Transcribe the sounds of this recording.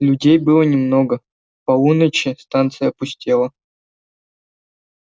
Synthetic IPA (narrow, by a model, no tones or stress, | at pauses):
lʲʊdʲejbɨlˠənʲɪmnoɡə | pɐunət͡ɕɪst̪ant̪sɨjəɐpʊsʲtʲelˠə